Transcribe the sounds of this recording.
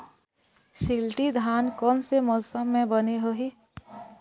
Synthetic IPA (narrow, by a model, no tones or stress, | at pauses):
ʃilʈid̪ʱaːnkɔːnsemɔːsəmːẽbəneɦoɦi